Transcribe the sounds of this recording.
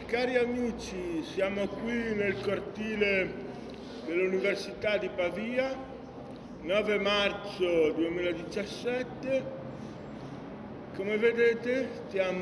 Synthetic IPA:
kaːɾiamiːt͡ʃisjaːmokwinelkort̪iːle | d̪elːuniversit̪ad̪ipaviːa | nɔːvemart̪sod̪uemiːlaed̪it͡ʃasːɛt̪ːe | komeved̪eːt̪et̪jam

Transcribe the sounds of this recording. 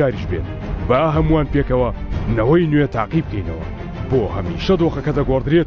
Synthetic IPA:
aːɾiʃbḛt̪̚ | bɐaɦɐmuwaːnpekɐwɐnɐwɐjnwet̪ʰa̰ːqib̚kʰɐjnɐ̰wɐ̰ | boːhɐmḭːʃɐd̪oːxɐkɐd̪ɐɡord̪ɨɾet̪

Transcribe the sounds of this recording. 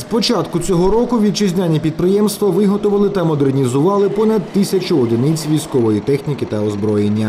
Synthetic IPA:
spɔt͡ʃat̪kʊt͡sʲɔɦɔɾɔkʊʋʲid̪̚t͡ʃɪzʲnʲanʲipʲid̪pɾɪjɛmst̪ʋɐʋɪɦɔt̪ʊʋɐlˠɪt̪ɐmɔd̪ernʲizʊʋɑlˠɪpɔnɐd̪̚t̪ɪsʲɐt͡ʃʊɔd̪ɪnɪt͡sʲʋʲijsʲkɔʋɔjit̪ɛxnʲikɪt̪ɐɔzbɾɔjenʲːɐ

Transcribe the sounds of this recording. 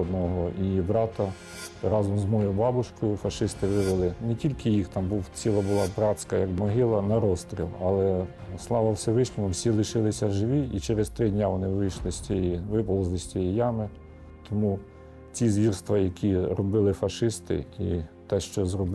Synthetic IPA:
d̪nɔɦɔʔibɾɑt̪ɐ | ɾɑzɔmzmɔjʊbɑbʊʃkɔjʊfɐʃɪst̪ɪʋɪʋelˠɪnetʲilʲkɪjixt̪ɑmbuwt͡sʲilˠɐbʊlˠɑbɾɑt͡sʲsʲkɐjɐɡbmɔɦɪlˠɐnɐɾɔst̪ɾʲḭlˠɑlˠɛ | slˠɑʋɐwsɛʋɪʃlʲɔmɔwsʲilˠɪʃɪlˠɪsʲɐʒɪʋʲiit͡ʃeɾest̪ɾɪdʲnʲaʋɔnɪʋɪjʃlˠɪsʲtʲjiʋɪpɔlˠɔzlˠɪsʲtʲijijɑmɪ | t̪ɔmu | t͡sʲizʋʲirst̪ʋɐjɐkʲiɾɔbɪlˠɪfɐʃɪst̪ɪ̰ḭt̪ɛʃt͡ʃɔzrɔb

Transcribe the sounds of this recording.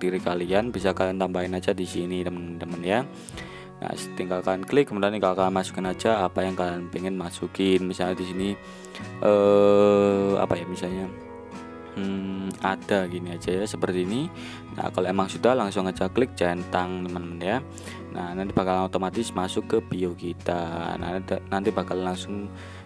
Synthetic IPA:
diɾikalianbisakaliant̪ambaɪnad͡ʒadisinidəmənd̪əmənja | na̰st̪iŋɡalkalanklɪkːəmudianikalokalanmasu̥kɪnad͡ʒaːpajaŋkalianpeŋənmasukɪnmisalɲadisini | ʔə | a̰pajamisalɲa | adaɡiniad͡ʒajasəpərt̪iːni | na̰hkaloemaŋsudahlaŋsʊŋad͡ʒaklɪk̚d͡ʒɛnt̪aŋt̪əmənmnja | na̰nant̪ibakalanot̪omat̪ɪsmasʊkːəpiokit̪ana̰nant̪ibakallaŋsʊŋ

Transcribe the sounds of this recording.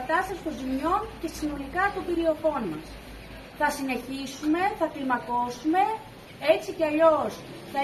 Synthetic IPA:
t̪ɐst̪ɐsi̥st̪o̞nzimɲo̞nce̞sino̞likɐːt̪opiɾio̞fo̞nmɐs | θɐsine̞çisume̞θɐklimɐko̞sume̞ | e̞t͡siceɐʎo̞s | θɐ

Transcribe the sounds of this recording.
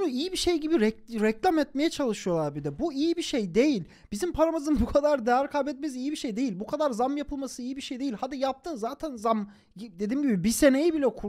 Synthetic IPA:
nuijibiʃejɟibiɾɛɾɛclʲamɛt̪̚me̞jɛt͡ʃʰalˠɯʃɯjo̞lˠaɾbid̪ɛbuijibiʃejd̪e̞jilʲ | b̥izimpʰaɾamɯzɯnbukʰad̪aɾd̪eæɾkʰabɛt̪̚mɛzijibiʃejd̪ejilʲbukʰad̪aɾzamjapʰɯlˠmasɯijibiʃejd̪e̞jilʲhad̪ijap̚t̪ʰɯnzaːt̪ʰænzam | d̪e̞d̪imɟibibise̞ne̞jibilʲɛkʰu

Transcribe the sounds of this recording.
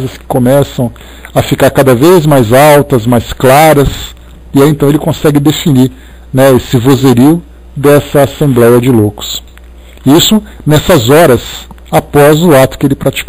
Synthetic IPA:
zɐskɪ̥kõmɛsɐ̃w̃ | ɐfikaɾkad̪ɐvezmajzawt̪ɐzmajsklaɾɐs | iaẽnt̪ɐ̃w̃elɪkõsɛɡɪd̪efiniɾ | nɛesɪvozeɾiʊ | d̪ɛsɐasẽmblɛjɐd͡ʒɪlokʊ̥s | isʊnɛsɐzɔɾɐs | apɔzʊat̪ʊ̥kɪelɪpɾat͡ʃi̥k

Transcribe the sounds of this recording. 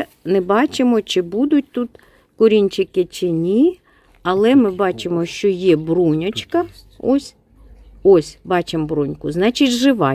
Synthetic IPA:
nɛbɑt͡ʃɪmɔt͡ʃɪbud̪ʊt̚ʲt̪ut̪ | kʊɾʲinʲt͡ʃɪkɪt͡ʃɪnʲi | ɐlˠɛmɪbɑt͡ʃɪmɔʃt͡ʃɔjɛbɾunʲɔt͡ʃkɐ | ɔsʲ | ɔsʲbɑt͡ʃɪmbɾunʲkʊznɑt͡ʃɪtʲʒɪʋɑ

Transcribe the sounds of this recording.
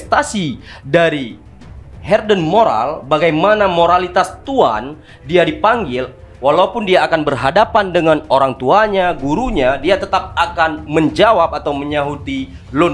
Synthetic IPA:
st̪asidaɾi | hɛrdənmoɾa̰lbaɡajmanamoɾalit̪ast̪ua̰n | diadipaŋɡɪl | walaupʊndiaːkanbərɦadapandəŋanoɾaŋt̪uaɲaɡuɾuɲadiat̪ət̪ap̚akanməɲd͡ʒawap̚at̪awməɲaɦut̪i | lʊn

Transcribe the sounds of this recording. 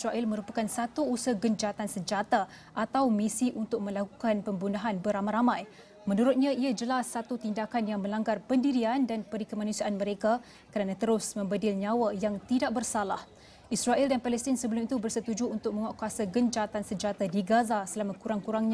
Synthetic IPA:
sɾaʔɪlmə̃ɾupakansat̪uːsəhɡəɲd͡ʒat̪ansəd͡ʒat̪a | ʔat̪awmisiʔunt̪ʊk̚mə̃lakukanpəmbunaɦanbəɾamajɾamãj | mənuɾʊt̪̚ɲãiad͡ʒəlasːat̪ut̪indakanjaŋmə̃laŋɡarpəndiɾiandanpəɾikəmanusiaʔanməɾeka | kəɾanat̪əɾʊsmə̃mbədɪlɲawajaŋt̪idaʔ̚bərsalah | israʔɛldanpalɛst̪ɪnsəbəlʊmit̪ubərsət̪ud͡ʒuunt̪ʊk̚məŋaʔkuasaɡəɲd͡ʒat̪ansəd͡ʒat̪adiɡazasəlamakuɾaŋkuɾaŋɲa

